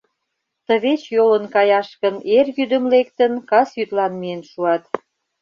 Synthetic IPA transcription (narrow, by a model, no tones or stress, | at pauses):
t̪ə̆βet͡ɕjolənkɑjɑʃkə̆nerjyd̪ə̆mlek̚t̪ənkɑsjyt̪lɑnmienʃuɑt̪